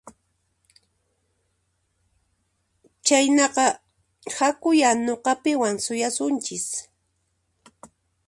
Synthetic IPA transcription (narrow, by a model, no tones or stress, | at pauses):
t͡ʃajnɑqɑ | hakʊjanoqɑpɪwaŋsʊjasʊnt͡ʃɪs